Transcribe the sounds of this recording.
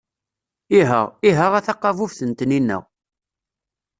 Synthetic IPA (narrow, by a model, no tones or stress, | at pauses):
iɦə̰ʁiɦəʁæθɑqːɑvufθənt̪ninːæ̰w